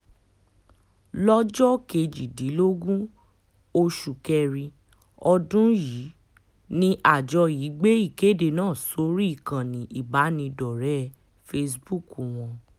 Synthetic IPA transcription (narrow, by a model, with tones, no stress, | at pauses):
lɔ˦d͡ʒɔ˦ke˧d͡ʒi˨dĩ˨˦lo˦ɡũ˦ | o˧ʃu˨kɛ˧ɾi˧ | ɔ˧dũ˦ji˨˦ | nĩ˦ʔa˦˨d͡ʒɔ˧ji˨˦ɡ͡be˦i˦˨ke˨˦˨de˧˨nãː˦˨so˨˦ɾi˦i˦˨kã˨nĩ˨ʔi˨ba˨˦nĩ˧dɔ˨ɾɛ˦ | fe˧s̬bu˦˨ku˨w̃ɔ̃˧